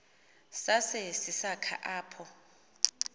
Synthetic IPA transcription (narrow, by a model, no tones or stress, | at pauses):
sasɛsisakʰa̰ʔaːpʰɔ